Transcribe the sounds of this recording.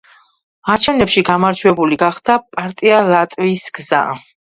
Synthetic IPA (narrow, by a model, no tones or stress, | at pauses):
aɾt͡ʃʰɛvnɛpʃiɡamaɾt͡ʃʰwɛbuliɡaχd̪apʼaɾt̪ʼialat̪ʼvisɡza̰